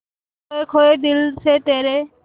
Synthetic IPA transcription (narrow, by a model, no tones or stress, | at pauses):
ekʰoed̪ilsʰet̪eɾe